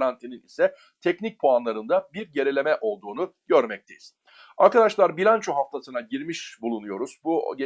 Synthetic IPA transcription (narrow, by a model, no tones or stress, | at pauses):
ɾant̪ʰininḭsɛ | t̪ʰɛcnic̚pʰoanlˠaɾɯnd̪abiɾje̞ɾelʲe̞mɛʔo̞lˠd̪uːnuɟøɾmɛc̚t̪ʰe̞jiz̥ | aɾkad̪aʃlˠaɾbilʲant͡ʃʰoɦaft̪ʰasɯnaɟiɾmiʃbulˠunujo̞ɾuz̥buɟ